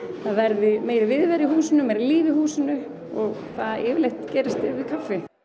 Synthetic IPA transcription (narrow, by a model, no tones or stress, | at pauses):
θaðvɛɾðɪmeːjɾɪvɪðvɛɾihuːsɪnʏmeːjɾɪliːvɪhuːsɪnʏ | ɔɣθaðɪːvɪlejht̪cɛːɾɪst̪ɪvɪkʰafːɪ